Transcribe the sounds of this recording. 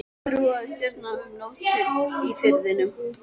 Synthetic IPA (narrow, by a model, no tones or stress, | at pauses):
θɾuaðst̪ɪɾt̪nanmnɔht̪ifɪɾðɪnʏm